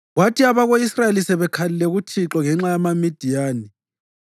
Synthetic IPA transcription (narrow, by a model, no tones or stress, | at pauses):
ɣwatʰiaβaɣoisraelisɛβɛkʰalilɛɣutʰiǁɔŋɛŋ͡ǁajamamid̥ʱijaːni